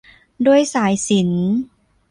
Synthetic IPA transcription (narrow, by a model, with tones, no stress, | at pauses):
du˥˩əjsaː˩˦jsi˩˦n